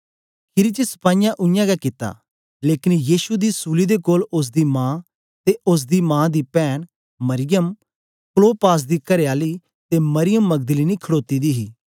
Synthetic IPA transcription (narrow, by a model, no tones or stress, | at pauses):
kʰɪɾit͡ʃəsə̥paːɪjãʔʊɪjãːɡakɪt̪ːa̰ː | leːkɪnjiːʃud̪iːsuːlid̪ekoːlʊs̬d̪iːmãː | t̪eʔʊs̬d̪iːmãːd̪iːpɛːn | mɐɾɪjəm | kloːpaːs̬d̪iːkɐɾejaːli | t̪emɐɾɪjəmːɐɡ̚d̪əliːnikʰəɽoːt̪iːd̪iːɦiː